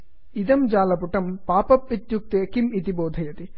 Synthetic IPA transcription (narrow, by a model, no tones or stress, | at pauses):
id̪ɐmd͡ʒaːlɐpuʈɐmpaːpɐpːit̪juk̚t̪eɐkimit̪ibɔːd̪ʱɐjɐt̪i